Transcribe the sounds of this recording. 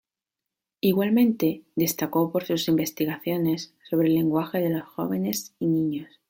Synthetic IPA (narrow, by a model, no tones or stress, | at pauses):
iɣwalmẽ̞nt̪e̞d̪e̞st̪ako̞po̞ɾsusimbe̞st̪iɣaθjo̞ne̞sːo̞βɾe̞le̞ŋɡwaxe̞ðe̞lo̞sxo̞̰β̞e̞ne̞sinĩɲos